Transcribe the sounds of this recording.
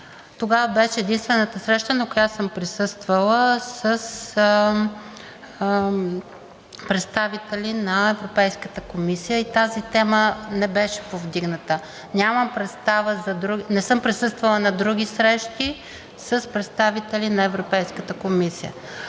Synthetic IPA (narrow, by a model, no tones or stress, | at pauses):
t̪oɡavəbɛʃɛːd̪inst̪vɛnət̪əsɾɛʃt̪ənɐkojasɤmpɾisɤst̪vəlˠəsəs | pɾɛt̪st̪avit̪ɛlʲinɐɛvɾopɛjskət̪əkomisijəit̪azit̪ɛmənɛbɛʃɛ̥povd̪iɡnət̪ə | nʲaməmpɾɛt̪st̪avəzɐd̪ɾuɡnɛsɤmpɾisɤst̪vəlˠənɐd̪ɾuɡ̟ʲisɾɛʃt̪i | səspɾɛt̪st̪avit̪ɛlʲinɐɛvɾopɛjskət̪əkomisijə̰